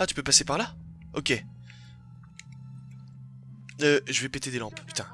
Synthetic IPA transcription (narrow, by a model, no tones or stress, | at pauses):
at̪y̥pøpasepaʁla | ɔkʲe | øʒəvɛpet̪ed̪elɑ̃ppy̥t̪ɛ̃